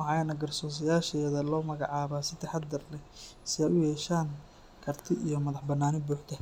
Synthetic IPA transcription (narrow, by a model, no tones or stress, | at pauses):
ɑʕɑjnɐɡɐrsɔːs̬ɐjaːʃɛːðɐlɔːmɐɣɑʕɑːβaːsɪt̪ʰɛħɑd̪d̪ɐrlɛsɪɛjʊjɛːʃaːŋ | kʰɐrt̪ʰɪʔijɔmɐðɐħbɐnːaːnɪbuːħt̪ʰɐ